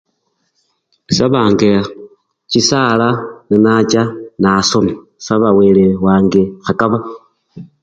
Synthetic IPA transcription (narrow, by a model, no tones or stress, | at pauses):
saβaːŋɡe | t͡ʃisalaninat͡ʃanasomi | saβaweːlewaːŋɡexakaβa